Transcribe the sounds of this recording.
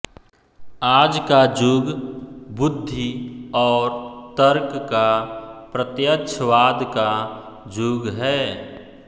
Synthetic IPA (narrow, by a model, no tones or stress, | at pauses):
aːd͡ʒkad͡ʒuːɡbʊd̪ʱːiɔːɾt̪əɾkkapɾət̪jətːʃʰəʋaːd̪ka | d͡ʒuːɡɦɛː